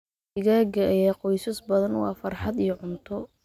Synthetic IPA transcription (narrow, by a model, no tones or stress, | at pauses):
ɪɣaːɡɐʔɐjaːqɔjsɐsbɐðɐnwɑ̰ːfɐrħɑd̪ijɔʕʊnt̪ʰɔ